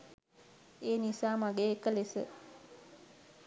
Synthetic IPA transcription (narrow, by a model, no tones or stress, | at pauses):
eːnisaːmaɡeːekːəlesə